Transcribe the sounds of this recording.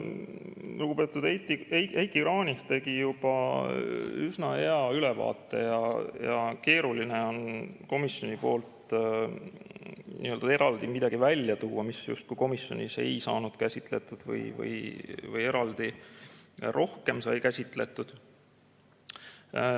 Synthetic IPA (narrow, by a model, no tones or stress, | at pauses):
luɡ̥ub̥e̞ːt̪ːˑud̪ejt̪ːiejejt̪iɾɑːnʲiht̪e̞ɡ̥ijub̥ɑ | ysnɑhe̞ɑylevɑ̰ːt̪ˑːe̞̰jɑjɑke̞ːɾulineo̞nko̞misjo̞nipo̞̰ːlt̪ | nḭø̞ld̪̥ɑe̞ɾɑld̪̥imid̪̥ɑɡ̥ivælʲːjɑt̪uwːɑmisjṵst̪̚kujko̞misjo̞nʲise̞̰jsɑ̰ːnud̪̥kæsʲit̪le̞t̪ːˑud̪̥vɤ̰jvɤ̰jvɤje̞ɾɑld̪̥i | rʔo̞hke̞msɑ̰jkæsʲit̪ˑle̞̰t̪ːˑud̪̥